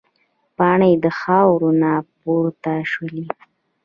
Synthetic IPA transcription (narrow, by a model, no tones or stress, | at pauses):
pɑɳəjd̪əxɑwɾonɑpoɾt̪aʃwəli